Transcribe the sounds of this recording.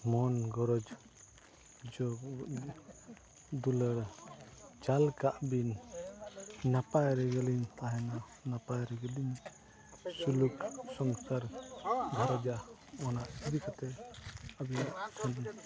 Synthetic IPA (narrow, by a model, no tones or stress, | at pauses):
mɔnɡɔɾɔd͡ʒ | d͡ʒɔ | d̪uləɾ | t͡ʃalkaʔbin | napajɾɛɡɛliɲt̪aɦɛna | napajɾɛɡɛliɲ | suluksɔŋsaɾd̪ʱaɾad͡ʒa | ɔnaʔid̪ikʰat̪ɛabijaʔt̪ʰɔn